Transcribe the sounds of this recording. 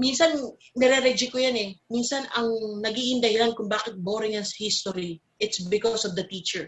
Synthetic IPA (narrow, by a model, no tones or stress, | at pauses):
minsɐn | nɛɾɛɾɛd͡ʒɪkojanɛminsɐnɐŋnɐɡiːʔɪnd̪ɐhɪlankʊŋbaːkɪt̪̚boːɾɪŋjɐnsɐ̥hist̪oɾi | ʔɪt̪sbɪkosɔvd̪ɐt̪iːt͡ʃɛɹ